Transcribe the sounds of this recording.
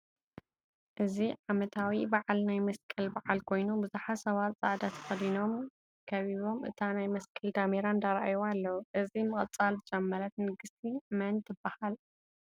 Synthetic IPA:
ʔɨziʕamɐt̪ʰawibaʕalnajmɐskʼɨlbaʕalkʰo̞jnubɨzuħasɐβat̪t͡sʼaʕd̪at̪ʰɐ̥xɐd̪ino̞m | kʰɐβiβo̞mʔɨt̪ʰanajmɐskʼɨld̪ameɾand̪aɾaʔajoalːɐwuʔɨzimɨχʼt͡sʼalzɨt͡ʃʼɐmːɐɾɐt̪nɨɡɨst̪ʰimɐnt̪ʰɨbahal

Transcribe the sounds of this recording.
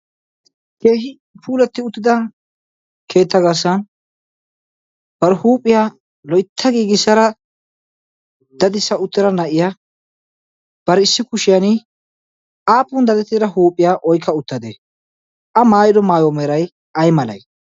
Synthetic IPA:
keːɦɪ | pʰuːlɛt̪ːɪʊt̪ːɪd̪ɐ | kʰe̞ːt̪ːɐɡɐɾsɐn | b̥ɐɾɛhuːpʼːɪja | lɔjt̪ʰːɐɡiːɡɪsɐɾɐ | d̪ɐd̪ɪsːɐʊt̪ːɪɾɐnɐʔɪja | b̥ɐɾɛɪsːɪkʊʃɪjɐnɪ | ʔaːpʼːʊnd̪ɐd̪ɛt̪ːɪɾɐɦuːpʼːɪjaʔɔjkːɐʊt̪ːɐd̪ḛː | ʔɐmaːjɪd̪ɔmaːjɔmeːɾɐj | ɐjmɐlɐ̰j

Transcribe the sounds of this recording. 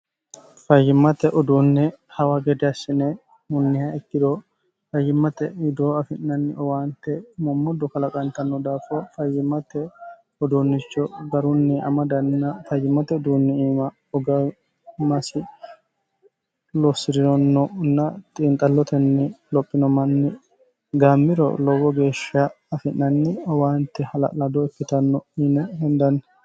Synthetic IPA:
fɐjːɪmːɐt̪ɛʔɔd̪uːnːɛhɐwaɡɛd̪ɛɐsɪnɛ | mʊnːɪhɐɛt̪ːɪd̪oː | fɐjːɪmːɐt̪ɛɪd̪oːɐfɪnːɐnːɪɔwaːnt̪ɛmɔmːɔd̪ɔkɐlɐkʼɐnt̪ɐnːɔd̪aːfɔfɐjːɪmɐt̪ɛ | ɔd̪uːnːɪt͡ʃːɔɡɐɾʊnːɪɐ̰mɐd̪ɐnːɐfɐjːɪmɐt̪ɛɔd̪uːnːɪiːmɐ | ɔɡɐ | mɐsɪ | lɔsɪɾɪnɔnːɔnːɐt̪ʼɪːnt̪ʼɐlːɔt̪ɛnːɪlɔpʼːɪnɔmɐnːɪ | ɡaːmːɪɾɔ̰lɔwɔɡe̞ːʃɐː | fɪʔɐnːɪɔwaːnt̪ːɛhɐlɐ̰lɐd̪ɔɛfːɪt̪ɐnːɔɪnɛhɛnd̪ɐnː

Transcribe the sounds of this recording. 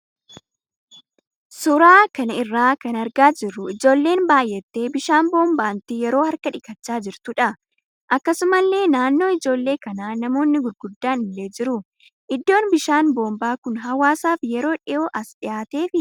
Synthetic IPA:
sʊɾaːkɐnɐɪrːaːkɐnɐɾɡaːd͡ʒɪrːʊɪd͡ʒo̞ːlːe̞ːnbaːjːɛt̪ːe̞ːbɪʃaːnbo̞ːmbaːnt̪ɪjɛɾo̞ːhɐɾkɐᶑɪkɐt͡ʃːaːd͡ʒɪɾt̪ʊᶑɐ | ʔɐkːɐsʊmɐlːe̞ːnaːnːo̞ːɪd͡ʒo̞ːlːe̞ːkɐnaːnɐmo̞ːnːɪɡʊɾɡʊd̪ːaːnɪlːe̞ːd͡ʒɪɾʊ | ʔɪd̪ːo̞ːnbɪʃaːnbo̞ːmbaːkʊnɦɐwaːsaːfjɛɾo̞ːᶑɪʔo̞ːʔɐsᶑɪjaːt̪e̞ːfɪ

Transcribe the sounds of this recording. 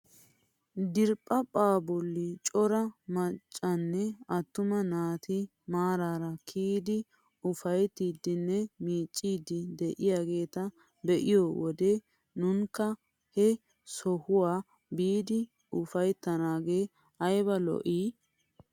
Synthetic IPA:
d̪ɪɾpʼːɐpʼaːbɔlːit͡ʃʼɔɾɐmɐt͡ʃʼːɐnːɛɐt̪ːʊmɐnaːt̪ɪ | maːɾaːɾɐkʰiːd̪ɪ | ʊfɐjt̪ːiːd̪ːɪnːɛmiːt͡ʃʼːiːd̪ɪd̪ɛʔɪjaːɡe̞ːt̪ɐ | bɛʔɪjɔwɔd̪eː | nʊŋkːɐ | hɛ | sɔhʊwaː | biːd̪ɪ | ʊfɐjt̪ːɐnaːɡeː | ɐjbɐlɔ̰ʔiː

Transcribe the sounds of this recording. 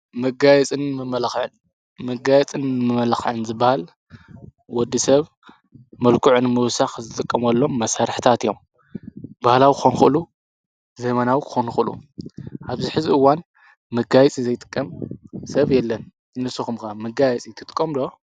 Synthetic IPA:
mɨɡajɛt͡sʼɨnmɨmɐlxʕɨn | mɨɡajɛt͡sʼɨnmɨmɐlxʕɨnzɨbːahal | wɔd̪ːisɐβ | mɐlkʰuʕʊnmɨwsaxzɨt̪ʼɨkʼːɐmɐlːo̞mːɐsaɾħt̪ʰat̪ijo̞m | bahlawikʰxonxɨʔɨlu | zɐmɐnawikʰɨ̥xonxɨʔɨlṵʔaβziħɨziɨwan | mɨɡajɛt͡sʼizɐjt̪ʼɨ̥kʼːɐmsɐβjɛlːɐn | nɨsuxɨmkamɨɡajɛt͡sʼit̪ʰɨt̪ʼɨ̥kʼːɐmd̪o̞

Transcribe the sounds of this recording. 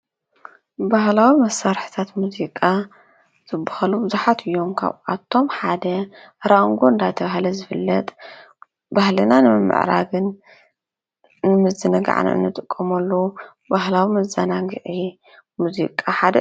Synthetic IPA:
bahlawimɐsːaɾħi̥t̪ʰat̪muzikʼa | z̥ɨbːḁhɐlubɨzuħat̪ʰɨjːo̞mkʰa̰βʔat̪ʰːo̞mħad̪ɐ | ɾaŋɡoɨnd̪ajt̪ʰɐβaɦlɐzɨfɨlːɐt̪ʼ | bahlɨnanɨmɨmːɨ̰ʕɾa̰ɡɨn | nɨmɨzɨnɐɡa̰ʕ̰n̰ɨ̰nːɨt̪ʼɨkʼːɐmɐlːo | baɦlawimɐzɐnaɡɨʕi | muzḭkʼaħad̪ɐ

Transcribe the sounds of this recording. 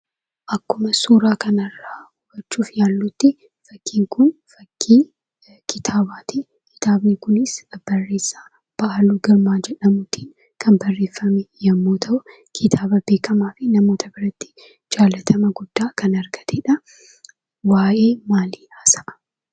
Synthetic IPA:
ʔɐkːʊmɐsuːɾaːkɐnɐrːaːhʊbɐt͡ʃːuːfjaːlːʊt̪ːɪ | fɐkʰːiːŋkʊnfɐkːi | kɪt̪ʰaːbaːt̪ɪ | kɪ̥t̪aːbnɪkʊnɪsb̥ɐrːe̞ːsːaː | b̥ɐʔɐluːɡɐɾmaːd͡ʒɛᶑɐmʊt̪iːn | kʰɐmbɐrːe̞ːfːɐmɛjɐmːoːt̪ʰɐʔʊ | kʰɪt̪ʰaːbɐbeːkɐmaːfɪnɐmo̞ːt̪ʰɐbɪɾɐt̪ːɪ̥ | d͡ʒaːlɐt̪ʰɐmɐɡʊd̪̥ːaːkɐnɐɾɡɐ̥t̪ɛᶑɐ | waːʔe̞ːmaːliːaːsɐʔɐ̥

